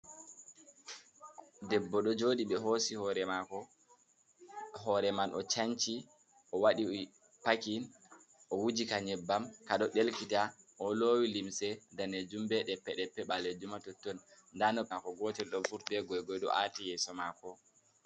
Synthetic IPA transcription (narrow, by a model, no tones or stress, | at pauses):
dɛbːɔɗɔd͡ʒoːɗiɓɛɦosihɔɾɛmakɔ | ɦɔɾɛmanʔɔ̰t͡ʃaɲt͡ʃi | ʔɔwaɗi | pakin | ʔɔwud͡ʒikaɲɛbːamkaɗɔɗelkita | ʔɔloːwilimsɛdanɛd͡ʒumbɛɗɛpːɛɗɛpːɛɓaled͡ʒumatɔtːɔn | ndanɔakɔɡɔtɛlɗɔfuɾtbɛɡɔjɡɔjɗɔ̰ʔatijɛsɔmakɔ